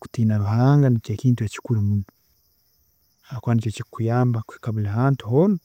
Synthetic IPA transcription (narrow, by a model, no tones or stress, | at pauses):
ku̥tinaɾuɦaŋɡanat͡ʃakintujat͡ʃi̥kulumunu | hakwanit͡ʃɔt͡ʃikujambaku̥hi̥kaβulaɦantuɦɔnu